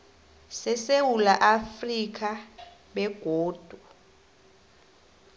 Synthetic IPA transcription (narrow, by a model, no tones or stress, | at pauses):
sɛsewulaʔafrik̬ʰa | ɓɛɡ̥ʱoːd̥ʱu